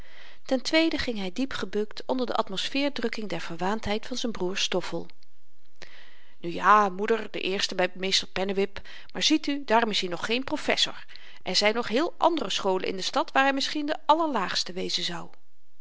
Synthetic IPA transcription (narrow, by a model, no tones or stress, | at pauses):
tɛntʋejdəχɪŋɦɛjdipχəbɵktʰɔndəɹdə̰ʔɑtmɔsfɪːɹdrɵkɪŋdɛɹv̥əɹʋaːntɦɛjtfɑnzɛjnbruːɹstɔfəlˠ | nyjaːmudəɹdə̰ʔɪːɹstəbɛjmejstəɹpɛnəʋɪp | maːɹz̥itydaːrɔmɪshinɔχχejnprofɛ̰sʊ̰ɹ | ʔɛɹzɛjnɔχɦɪːlˠʔɑ̰ndərəsχowlə̰ʔɪ̰ndəstɑtʋaːɹɦɛjmɪsχindəɑləɹlaːχstəʋejzənzɑw